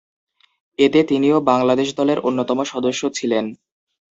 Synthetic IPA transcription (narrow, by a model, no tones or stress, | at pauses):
et̪et̪iniobaŋlad̪eʃd̪ɔleɾʔonːot̪ɔmoʃɔd̪oʃːot͡ɕʰilen